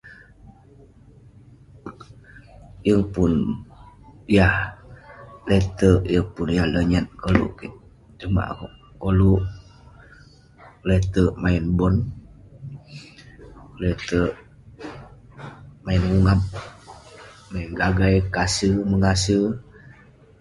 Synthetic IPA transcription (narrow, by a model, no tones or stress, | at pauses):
jəŋpun | jah | let̪əʔjəŋpunjahləɲət̪̚kolṵʔkiʔ | t͡ʃuma̰ʔ | koluʔ | lət̪əʔmainbɔn | lət̪əʔ | mainuŋap̚ | mainɡaɡajkasəməŋasə